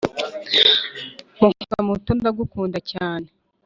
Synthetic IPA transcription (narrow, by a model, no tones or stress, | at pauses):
muŋukamutuːnbaɡukuːndacaːne